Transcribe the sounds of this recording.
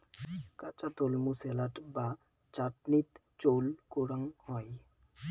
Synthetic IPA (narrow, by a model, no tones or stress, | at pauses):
kat͡ɕat̪olmuselaʈba | t͡ɕaʈnit̪ | t͡ɕowlkoɽaŋhɔj